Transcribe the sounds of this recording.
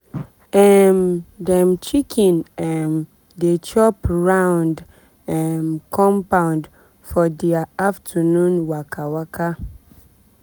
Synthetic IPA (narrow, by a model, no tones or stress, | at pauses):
ɛmdɛ̃mt͡ʃikʰĩnɛm | det͡ʃɔpɹãʊ̃nd | ɛmkʰɔ̃mpãʊ̃nd | fɔdiaaftʰənũnwakʰawakʰa